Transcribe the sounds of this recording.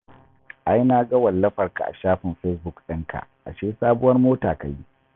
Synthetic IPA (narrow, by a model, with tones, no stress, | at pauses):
ʔa˦jnaː˦ɡɐ˦wɐ˨lːɐ˦ɸɐ˨rka̰˨ʔa̰˨ʃaː˦ɸɪ˨mɸɛ˦sbʊ˦˨kɗɪ˦ŋkʰa̰˨ʔʔa̰˨ʃeː˦saː˦bʊ˦wɐ˦rmoː˦taː˨ka˨ji˦ʔ